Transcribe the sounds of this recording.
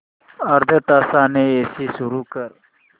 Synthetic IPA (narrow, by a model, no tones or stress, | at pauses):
ɐɾd̪ʱət̪asaneesisuɾuːkəɾ